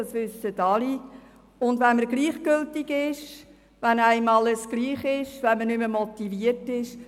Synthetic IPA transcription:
ɑsʋʏsətɑli | ʊndʋɛnməɾɡliːχɡʏltɪɡɪʃ | ʋɛnæɪmɑləsɡ̥liːχɪʃʋɛnməɾnʏməmɔt̪iviəɾtɪʃ

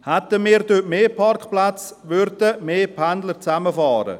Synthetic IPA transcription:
hɛt̪əmiːɾdøtmeːpʰɑrkχplat͡s | ʋʏɾdəmeːpʰændləɾt͡saməfɑːɾə̰

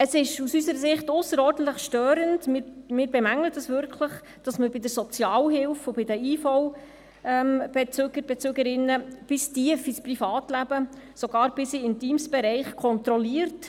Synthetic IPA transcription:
əsɪʃusysəɾəsɪχtʊsəɾɔːɾdən̩tləχʃtøːɾəndmɪːɾmɪːɾbɛmæŋlətəsʋʏɾkʰləχ | d̥ɑsməbɪdəɾsɔt͡sjɑːwɦɪlfʊb̥ɪdəiːfɔw | ɛmb̥ɛt͡søɡ̥əɾb̥ɛt͡søɡəɾɪnːəb̥ɪstiəfisprifɑːtlæb̥ə | soɡɑːɾb̥ɪsɪɪntiːmsb̥ɛɾɛɪχkʰɔnt̪ɾɔliəɾt

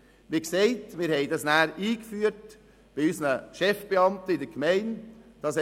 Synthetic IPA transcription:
ʋɪkseɪtmɪːɾhɛɪdɑsnæːɾiːkfyːət | b̥ɪysənəʃɛfb̥eɑmtəɪdəkmɛɪnd̥ɑsɛ

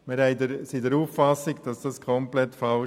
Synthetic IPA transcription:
mɪɾhɛɪdəɾsidəɾuːffɑsɪɡd̥ɑsd̥ɑskʰɔmplɛtfɑ

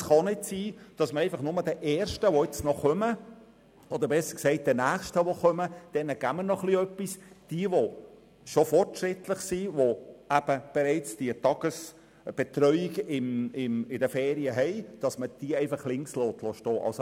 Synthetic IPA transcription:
sχɑnɪtsiːd̥ɑsməɾɛɪfɑχnʊməd̥ɛʔɛːɾʃtəʋoɪt͡snɔχœmə | ɔd̪əɾbɛsəɾksɛɪt̚d̥ənæːχʃtəʋoχœməd̥ɛnəɡ̥æmənɔχliœpːisd̥iəʋo | ʃofɔrtʃɾɪt̪ləχsiːʋoæb̥əb̥ɛɾɛɪt͡sd̥iətɑɡ̥əs | b̥ɛt̪ɾœʏiɡɪmɪmɪdəfɛːɾiəɦɛɪd̥ɑsməd̥iəɛɪfɑχlɪŋkslɔːt̪lɔʃtɔːʔɑ̰lso

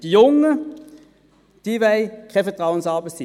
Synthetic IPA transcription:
d̥ijʊŋə | d̥ivæɪkʰɛfətʁɑʊənsɑːbəsɪ

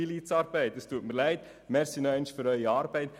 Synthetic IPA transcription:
ilit͡sɑːɾbɛɪt̚d̥əstuətməɾlæɪt | mɛɾsinɔɛɪnʃfyɾœʏiɑːɾbɛɪt

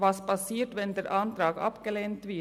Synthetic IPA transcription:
ʋɑsbɑseːʈʋɛnd̪əɾʔɑnd̪ɾɑːɡɑ̰pɡəlent̪ʋiː

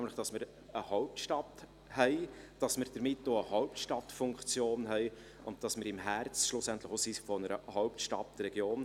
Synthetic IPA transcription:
ɛmləχd̥ɑsməɾ | əhɔʊp̚tʃtɑt | hɛɪd̥ɑsməɾd̥əɾmɪtːoːəhɔʊptʃtɑtfʊŋkt͡sjoːnɦɛɪ | ʊnt̚d̥ɑsməɾɪmɦæɾt͡sʃlʊsænt̪ləχosifɔnəɾə̰hɔʊptʃtɑ̰trɛɡjoːn

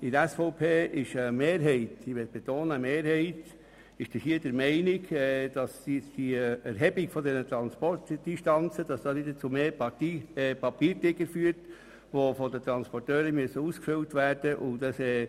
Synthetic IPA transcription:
ɪdæsfɔʊpʰeːʔɪʃəmeːɾɦɛɪtiʋɛt̪̚b̥et̪oːnəːmeːɾhɛɪt | ɪʃd̥ɪhiədəɾmɛɪnɪɡɛd̥ɑssd̥iɛɾɦɛbiɡ̥fɔdɛnət̪ɾɑnspɔrtd̥iʃtɑnt͡səd̥ɑsd̥ɑːnɪdət͡sumeːpipɑpiːɾtɪɡəɾfyːəɾt | ʋofodət̪ɾɑnspɔrtøːɾəmyəsəuːskføltʋæɾd̥əʔʊndɑsɛː

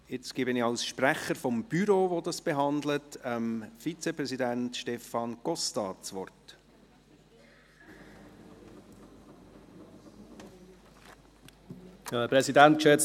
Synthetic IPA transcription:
ɪt͡sɡ̥iːbɪnɪɑlsʃpræχəɾfɔmb̥yɾoːʋodɑsb̥eɦɑnd̪lətəmfit͡sepɾɛsidæntʃtɛfɑnɡ̥ɔstɑːt͡sʋɔrt | pɾɛsidænt̚kʃɛ

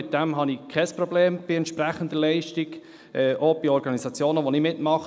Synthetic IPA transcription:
ɪt̪̚d̪̥ɛmɦɑnikʰɛsprɔbleːmb̥ɪɛnt̪ʃpræχənd̪əlɛɪʃtiɡ | ʔɛʔob̥ɪɔɾɡɑnisɑt͡sjoːnəʋonɪmɪtmɑχ

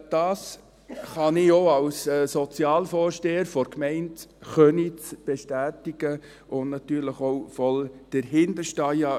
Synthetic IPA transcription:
d̥ɑːs | χɑnɪoːɑwssɔt͡siɑːlfɔːɾʃteːəɾfɔɾkmɛɪntχœnit͡sb̥eʃtæːtiɡ̥ə | ʊnnɑtyːɾləχoʊfɔld̥əɾɦɪndəʃtɑjɑ

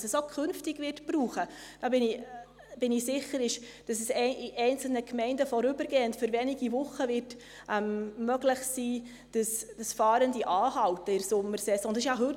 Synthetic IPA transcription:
sɛsokʰɵnftɪɡʋɪrtpɾuːχəd̥ɑbɪni | b̥ɪnɪsɪχəɾɪʃd̥ɑsɛsɛiʔɛɪnt͡sl̩nəkʰmɛɪndəfɔɾʏbəɾɡeːəntføɾvɛniɡivʊχːəvɪrt | ʔɛmːœɡlɪχsiː | d̥əsd̥əsfɑːɾəndiʔɑːhɑwtəɪɾsʊmːəɾsɛsɔ̃nd̪ɑsɪʃjɑɦɵt

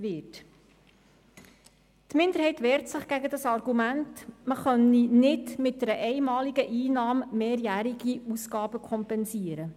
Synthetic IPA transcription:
ʋɪt | tmɪnd̪əɾhɛɪtʋɛːɾtsɪχɡ̥æɡədɑsɑrɡumæntməχœninɪdmɪt̚dəɾəʔɛɪmɑːliɡəʔiːnɑːmːeːɾjæːɾiɡ̥iusɡ̥ɑːbəkʰɔmpɛnsiəɾə

